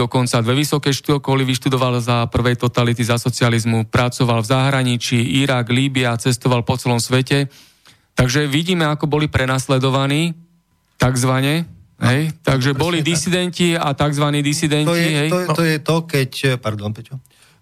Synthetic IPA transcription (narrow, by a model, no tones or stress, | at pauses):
ɔkɔnt͡sad̪ʋɛʋisɔkɛjʃt̪uɔkɔliʋiʃt̪ud̪ɔʋalzapr̩ʋɛjt̪ɔt̪alit̪izasɔt͡sializmupɾat͡sɔʋalvzaɦɾaɲit͡ʃiːiɾaɡliːbiat͡sɛst̪ɔʋalpɔt͡sɛlɔmsʋɛcɛ | t̪aɡʒɛʋiɟiːmɛakɔbɔlipɾɛnaslɛd̪ɔʋaniː | t̪aɡzʋaɲɛɦɛjt̪aɡʒɛbɔlid̪isid̪ɛnciat̪aɡzʋaniːd̪isid̪ɛniɦɛjɔjɛt̪ɔkɛcpaɾd̪ɔnpɛt͡ʃɔ